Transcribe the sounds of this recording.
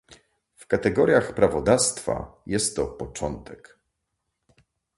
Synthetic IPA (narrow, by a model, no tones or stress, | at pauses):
fkat̪ɛɡɔɾʲjaxpɾavɔd̪ast̪fa̰jɛst̪ːɔpɔt͡ʂɔnt̪ʰɛk